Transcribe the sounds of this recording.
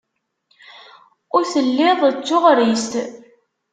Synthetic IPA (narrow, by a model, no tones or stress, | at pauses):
ʊɾθəlːɪðˤt͡sːʊʁɾist̪